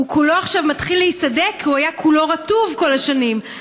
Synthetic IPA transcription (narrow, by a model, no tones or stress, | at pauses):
ukulo̞aχʃavmat̪χilːeisade̞kʰːiuajakʰulo̞ʁatuvko̞laʃanim